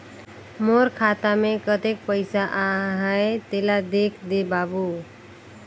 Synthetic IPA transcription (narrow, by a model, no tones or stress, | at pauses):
moɾkʰaːt̪amẽkət̪ek̚pəɪsaʔaɦəet̪elad̪ekʰd̪ebaːbu